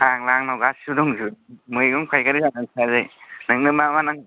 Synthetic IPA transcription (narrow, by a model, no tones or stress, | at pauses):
aŋlaŋnawɡasudɔŋzumɯjɡɯŋpʰajkaɾizanɯnsazɯjnɯŋnɯmamanaŋ